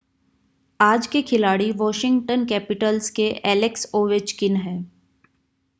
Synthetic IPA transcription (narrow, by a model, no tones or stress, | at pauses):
aːd͡ʒkikʰɪlaːɽiʋɔːʃɪ̃ŋɡʈənkɛːpɪʈəlzkeʔɛːlɪksoːʋɪt͡ʃkɪnɦɛ̃ː